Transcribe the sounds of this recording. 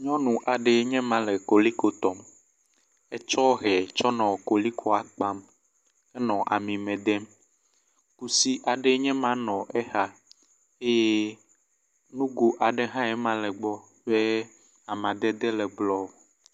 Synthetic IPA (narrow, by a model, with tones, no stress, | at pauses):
ɲɔ̃˦nũ˨ʔa˨ɖe˨˦ɲɛ̃˦mã˨lɛ˨ko˨li˦ko˦t̪ɔ˨m | ɛ˦t͡ʃɔ˦ɦɛ˨t͡ʃɔ˦nɔ̃˨ko˨li˦kʰɔ˦a˨k͡pã˦m | ɛ˦nɔ̃˨ʔa̰˨mĩ˨mɛ̃˨d̪ɛ˦m | ku˦si˦ʔa˨ɖe˦ɲɛ̃˦mã˦nɔ̃˨ʔɛ˦ha˦ | e˦je˦ | nũ˦ɡu˨ʔa˨ɖe˦ɦã˦ɛ˨mã˦lɛ˨ɡ͡bɔ˦ | ɸe˦ | a˨mã˨d̪ɛ˦d̪ɛ˦lɛ˨ɡ͡blɔ˦o˨